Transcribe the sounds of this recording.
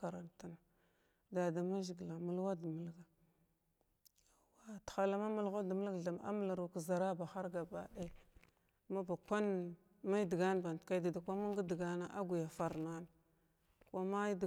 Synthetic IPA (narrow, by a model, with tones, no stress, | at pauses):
a˨ɾa˨nta˦na˨ | da˨da˨ma˦ʒi˨ɡla˨mu˦lwa˦di˨mə˦lɡa˨ | wa˦txa˨la˦ma˦m˦lɣa˦da˨mə˦lɡa˨ɮa˨m˨a̰˦mə˦la˨ɾu˨ka˨za˨ɾa˦ba˨xa˦ɾɡa˨ba˨ɗe˦ | ma˦ba˨kʷa˦n | ma˦i˦di˨ɡa˦n˨ba˨n˨tka˦da˨da˨kʷa˦ma˦ŋɡa˦di˨ɡa˦na˦ʔa˦ɡu˨ja˨fa˨ɾna˦na˨ | kʷa˦ma˦d